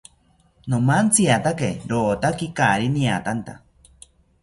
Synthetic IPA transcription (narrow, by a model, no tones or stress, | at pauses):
nomant͡siat̪akeɾoːt̪akikaɾiniat̪ant̪a̰